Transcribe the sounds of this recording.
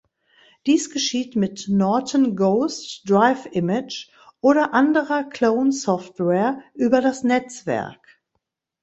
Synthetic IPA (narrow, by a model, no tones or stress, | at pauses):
d̥iːsɡ̥əʃiːtmɪtnɔɐtənɡoʊstd̥ʁaɪfʔɪmɪt͡ʃ | ʔoːɾɐʔandəʁɐkʰl̥oʊnsɔftwɛːɐʔyːbɐɾasnɛt͡sv̥ɛ̰ɐk